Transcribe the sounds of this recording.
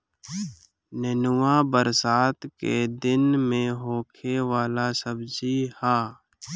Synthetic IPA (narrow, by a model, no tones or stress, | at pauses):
nənʊwaːbəɾsaːt̪ked̪ɪnmẽɦoːkʰewaːlasəbd͡ʒihaː